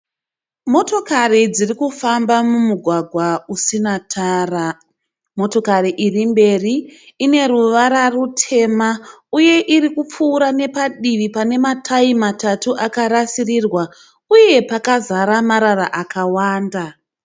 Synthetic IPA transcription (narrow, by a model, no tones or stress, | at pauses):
mo̞to̞karid͡zirikufambamumuɡʱwaɡʱwausinatʰaːra | mo̞to̞kariʔirimbe̞riːne̞ruʋaɾarutʰe̞mauje̞ʔirikup͡fuːɾane̞paɗiʋipane̞matʰaimatatuʔakaɾasirirwa | uje̞pakazaɾamaɾaraʔakawaːnda